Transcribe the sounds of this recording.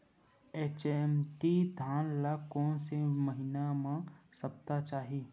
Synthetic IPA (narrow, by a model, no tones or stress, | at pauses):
eːt͡ʃemt̪id̪ʱaːnlakɔːnseməɦɪnamãsəp̚t̪at͡ʃaːɦi